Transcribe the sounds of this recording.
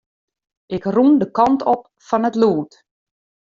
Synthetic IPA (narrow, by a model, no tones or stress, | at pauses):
ʔɪkrundəkɑntɔp̚ | fɔnətluːt